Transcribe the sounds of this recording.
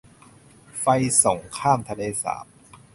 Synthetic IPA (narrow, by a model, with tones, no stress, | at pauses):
fa˧jso˨˩˦ŋkʰaː˥˩mt̪ʰa˧leː˧sa̰ː˩˦m